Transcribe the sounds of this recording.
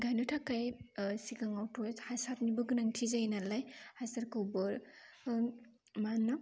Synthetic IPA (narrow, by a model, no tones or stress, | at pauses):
ɡajnotʰakajsikaŋawtʰohajsat̚nibɯɡɯnaŋtʰizajnalajhajsaɾkɯwbɯɾ | manːa